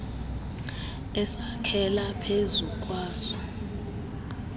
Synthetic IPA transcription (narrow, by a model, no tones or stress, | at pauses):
ɛsakʰɛlapʰezukʼwaːsɔ̥